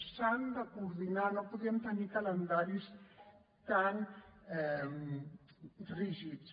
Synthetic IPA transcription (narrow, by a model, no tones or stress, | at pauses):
sand̪akuɾðinanopuðiəmt̪ənikalənd̪aɾis | t̪anɛm | riʒit͡s